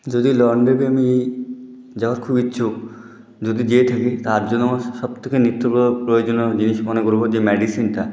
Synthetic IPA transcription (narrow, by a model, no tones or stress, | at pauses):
d͡ʒod̪ilɔɾɳɖebemie | d͡ʑabaɾkʰubitːʃʰu | d͡ʑod̪id͡ʑiet̪ʰaket̪aɾd͡ʑonːoʃɔb̚t̪ʰekenit̪ːoɔopɾojod͡ʑonod͡ʑiniʃmɔnekoɾbod͡ʑemɛɖisinʈa